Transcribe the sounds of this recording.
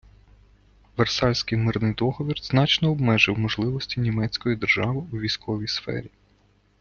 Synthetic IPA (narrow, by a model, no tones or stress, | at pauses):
ʋersɑlʲsʲkɪjmɪrnɪjd̪ɔɦɔʋʲirznɑt͡ʃnɔːbmɛʒɪwmɔʒlˠɪʋɔsʲtʲinʲimɛt͡sʲkɔjid̪erʒɑʋɪuʋʲijsʲkʰɔʋʲijsfɛ̰ɾʲi